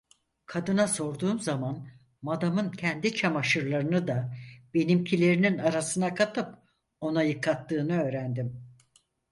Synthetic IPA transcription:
kʰad̪ɯnaso̞ɾd̪uːmzaman | mad̪amɯncʰɛnd̪it͡ʃʰamaʃɯɾlˠaɾɯnɯd̪ab̥e̞nimcʰilʲe̞ɾininaɾasɯnakʰat̪ʰɯp | o̞najɯkʰːat̪ːɯːnɯø̞ːɾænd̪im

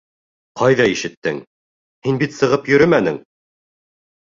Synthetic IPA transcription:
qɑjðɑiʃɘ̆t̪ːɘŋ | hinbit̪sɤ̆ʁɤpjɵ̆ɾɵmænɘŋ

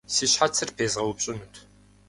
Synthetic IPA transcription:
siɕħat͡sʰːɨrpʰeːzʁɐwʊpɕʼɪnutʰ

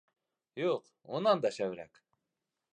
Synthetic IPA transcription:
joq | onɑnd̪ɑʃæβɾæ̰k

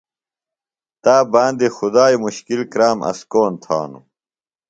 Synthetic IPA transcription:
t̪aːbaːnd̪ixud̪aːjmuɕkilkɾaːmʔɐ̰skoːnt̪ʰa̰ːnṵ

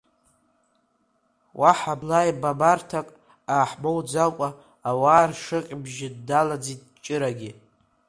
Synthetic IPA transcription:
wʔaħablajbabartʰakʼ | aːħmowd͡zalkʷʼaː | waːrʂɨqʲʼbʒɪddalad͡zit̚ʼt͡ʃʼɪɾaɡʲɪ

